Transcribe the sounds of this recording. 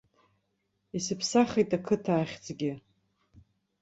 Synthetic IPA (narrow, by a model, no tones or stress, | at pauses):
isɨpʰsaχejtʼakʰɨtʰaːχʲd͡zɡʲɪ